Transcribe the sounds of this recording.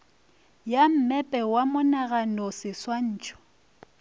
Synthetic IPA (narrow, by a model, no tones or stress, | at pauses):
jam̩mɛpʼɛwamʊnaɣanɔsɪswan̩ːt͡ʃʼɔ̥